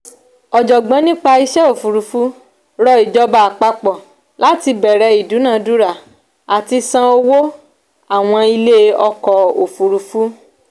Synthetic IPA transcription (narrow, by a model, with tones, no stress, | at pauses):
ɔ˨d͡ʒɔ˨ɡ͡bã˨˦nĩ˦k͡pa˧i˦ʃɛ˦o˨fu˨ɾu˨fu˨˦ | ɾɔ˧i˨d͡ʒɔ˦ba˧a˨k͡pa˧k͡pɔ˨ | la˦ti˧bɛ˨ɾɛ˧i˨du˨˦nã˦˨du˦ɾa˦˨ | a˨ti˧sã˧o˧wo˦ | a˦˨w̃ɔ̃˧i˧le˦ɔ˧kɔ˨o˨fu˨ɾu˨fu˦